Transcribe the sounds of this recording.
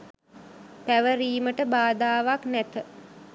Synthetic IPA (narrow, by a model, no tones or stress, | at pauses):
pæʋəɾiːməʈəbaːd̪aːʋaknæt̪ə